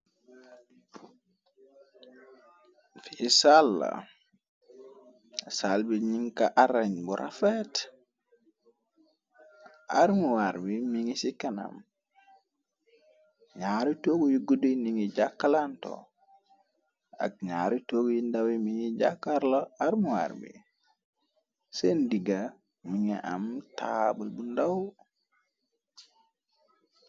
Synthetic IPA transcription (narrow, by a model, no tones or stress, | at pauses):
fiisalːa̰ | salbiɲiŋkaʔaɾaɲbuɾʔa̰fet | a̰ɾmiwaɾbimiŋisikana̰m | ɲaɾitoɡujiɡuduniŋid͡ʒakːalanto̰ | a̰k̚ɲaɾutoːɡujindawimiŋid͡ʒakːaɾloaɾmuwa̰ɾbḭ | sendiɡa | miŋiʔa̰mta̰bəlbundaw